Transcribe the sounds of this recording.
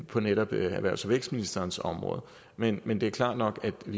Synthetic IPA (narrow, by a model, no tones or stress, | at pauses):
pʰɒ̽neɾ̥ɒb̥æʋæɐ̰sɒʋḛɡ̥sd̥minisd̥ɐːn̩sɒ̽mʁɔ̽ːðˠ | menmend̥e̝æɐkʰlɑ̰̈ːd̥nɒ̽ɡ̥æd̥ʋi